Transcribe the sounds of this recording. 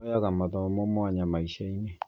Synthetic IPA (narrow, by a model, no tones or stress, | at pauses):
jaɣamaðɔmomwaɲamaiʃaine